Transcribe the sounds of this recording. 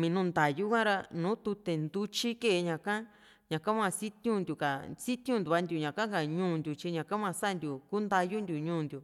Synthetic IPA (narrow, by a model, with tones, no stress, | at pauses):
mĩ˨˧nũ˦nd̪a˨ju˦kʷã˦ɾa˧nũː˨˦t̪u˧t̪e˨nd̪u˧t͡ʃi˦ke˦˨˧ɲã˨kã˦ | ɲã˨kã˦mã˧si˦t̪ũ˦nd̪ʲu˨ka˨si˦t̪ũ˦˧nd̪u˨βa˧nd̪ʲju˨ɲã˨kã˦ka˨ɲũː˦˨nd̪ʲu˨t͡ʃi˧ɲã˨kã˦mã˧sa˦˧nd̪ju˨ku˦nd̪a˧ju˦nd̪ʲu˨ɲũː˧˦˨nd̪ju˨